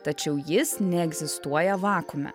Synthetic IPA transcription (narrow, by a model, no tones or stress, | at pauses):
t̪ɐt͡ʃʲɛʊjɪsnʲɛɛɡzʲɪst̪uɔjɛʋɑːkʊmʲɛ̰